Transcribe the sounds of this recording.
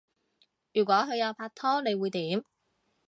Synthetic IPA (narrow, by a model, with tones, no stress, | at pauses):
jyː˨˩kʷɔː˨˥kʰɵ˨˧ɥjɐ˨˧wpʰaː˧k̚t̪ʰɔː˥ne˨˧jwuː˨˧jt̪iː˨˥m